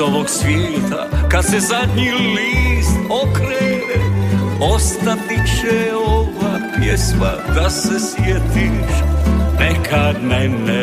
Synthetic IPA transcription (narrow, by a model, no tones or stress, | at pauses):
oloksʋʲjɛːt̪ʰa̰kat̪sɛzad̪ɲiliːst̪okɾɛ | ost̪apit͡ʃɛovapjɛsma̰d̪asɛsjɛt̪iʃnɛkʰanɛnːɛ